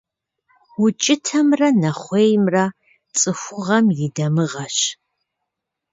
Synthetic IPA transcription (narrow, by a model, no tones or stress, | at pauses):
wʊt͡ʃʼɪtʰɐmrɐnɐχʷeːjmrɐ | t͡sʼɨxʷʊʁɐmjɪdɐmɨʁɐɕ